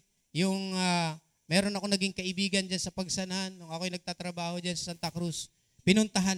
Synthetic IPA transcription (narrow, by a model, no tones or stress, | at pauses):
jʊŋa | mɛːɾo̞nɐko̞nɐɡiŋkɐʔɪbiːɡɐnd͡ʒansɐpɐɡ̚sɐnɐanːʊŋʔɐko̞jnɐɡ̚t̪aːt̪ɾɐbaːho̞d͡ʒansɐ̥sant̪ɐkɾus | pɪnʊnt̪ɐɦa